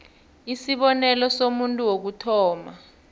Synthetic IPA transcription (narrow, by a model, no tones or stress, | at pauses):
isiɓɔnɛlɔsomuntʼuwok̬utʰɔːma